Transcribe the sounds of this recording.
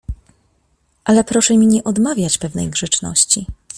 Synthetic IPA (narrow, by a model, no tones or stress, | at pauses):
ʔalɛpɾɔʂɛmʲiɲɛʔɔd̪mavʲjat͡ɕpɛvnɛ̰jɡʐɛt͡ʂnɔ̰ɕt͡ɕi